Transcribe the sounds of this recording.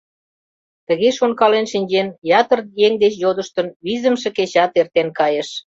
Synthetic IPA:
t̪ə̆ɣeʃonkɑlenʃinʲd͡ʑenjɑt̪ə̆rjeŋd̪et͡ɕjod̪əʃt̪ə̆nβizə̆mʃĕket͡ɕɑt̪ert̪enkɑjeʃ

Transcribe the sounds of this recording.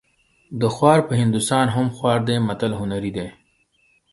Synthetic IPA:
d̪əxwɑːɾpəɦɪ̃nd̪ust̪ɑːnɦʊmxwɑːɾd̪eːmɐt̪əlɦʊnaɾid̪eː

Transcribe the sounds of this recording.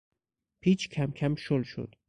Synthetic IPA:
pʰiːt͡ʃʰkʲʰæmkʲʰæmʃolʃo̰d̪̥

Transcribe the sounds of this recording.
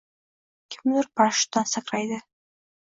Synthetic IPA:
kʲʰɪmlɪɾpʰaʃt̪ansaqɾajd̪ɪ

